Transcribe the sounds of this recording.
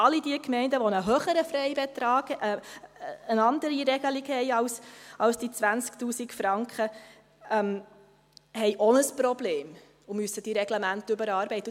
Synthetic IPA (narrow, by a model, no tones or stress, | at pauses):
ɑlidiəkmɛɪndəʋonəɦøːχəɾəfɾɛɪbet̪ɾɑːɡʔ | ənɑndəɾiɾɛɡəliɡhɛɪɑwsʔɑwsd̥it͡sʋænt͡sktuːsikfɾɑŋkχə | ɛm | hɛɪʔɔnəsprɔbleːm | ʊmyəsːəd̥iɾɛɡləmæntʏbəɾɑːɾbɛɪtː